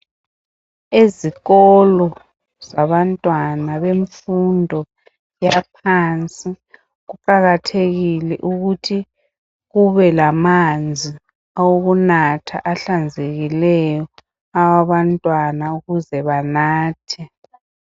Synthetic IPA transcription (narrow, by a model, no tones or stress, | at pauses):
eziɣɔlɔ | z̥aβantʼwanaβeɱfundʱɔ | japʰant͡sʼi | ɣuǃaɣatʰeɣilɛ̰ʔuɣutʰi | ɣuβɛlamand͡zʱi | awoɣunatʰa̰ʔaɬand͡zʱeɣilɛjɔ | awaβantʼwanauɣuzɛβanaːtʰɛ